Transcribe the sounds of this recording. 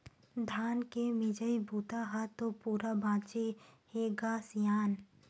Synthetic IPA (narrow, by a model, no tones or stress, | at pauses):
d̪ʱaːnkemɪd͡ʒəibʱuːt̪aɦat̪opuːɾabãːt͡ʃeheɡaːsjaːn